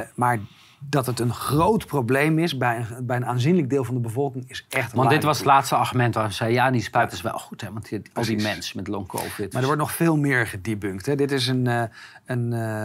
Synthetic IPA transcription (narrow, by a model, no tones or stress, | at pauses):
maːɹ | dɑtɦətənχrowtprowblejmɪsbɛjəbɛjənaːnzinləɡ̚dɪːlˠvɑndəbəvɔlˠkɪŋɪsɛχtɔndɪtʋɑsətlaːtstəɑɹχymɛntʋaːəzɛjəjaːndispœɥtəsʋɛ̰lˠχutɦɛʋɑntɑlˠdimɛnsmɛtlɔŋko̰wfɪtmaɹdəʋɔɹt̬nɔχfɪːlˠmɪːɹχədibøŋktɦɛdɪtɪs̬ənən